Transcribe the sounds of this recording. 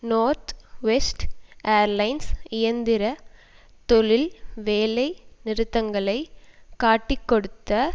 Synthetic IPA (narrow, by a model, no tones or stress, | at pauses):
noːɾt̪ʋɛsʈʔeːɐɾlɐɪnsɪjɐnd̪ɪɾɐt̪ɔɭɪlʋeːlɐɪnɪɾɯt̪ːɐŋɡɐɭɐɪkaːʈːɪkːɔɽɯt̪ːɐ